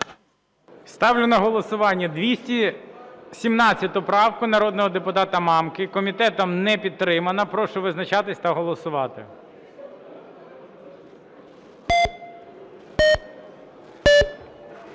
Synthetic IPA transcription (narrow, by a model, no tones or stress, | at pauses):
st̪ɑwlʲɪnɔɦɔlˠɔsʊʋɑnʲːɐd̪ʲʋʲisʲtʲi | sʲimnɑt͡sʲːɐt̪ʊpɾɑwkʊnɐɾɔd̪nɔɦɔd̪epʊt̪ɑt̪ɐmɑmkɪkɔmʲit̪ɛt̪ɔmnɛpʲid̪̚ɾɪmɐnɐpɾɔʃʊʋɪznɐt͡ʃɑt̪ɪsʲt̪ɐɦɔlˠɔsʊʋɑt̪ɪ̰